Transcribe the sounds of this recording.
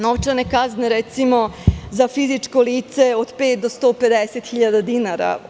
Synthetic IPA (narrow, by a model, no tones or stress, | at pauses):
noʋt͡ʃanekazneɾɛt̪simo̞zafizit͡ʂkoliːt̪seod̪peːt̪̚d̪ost̪oːped̪eset̪xiʎad̪ad̪inaɾa̰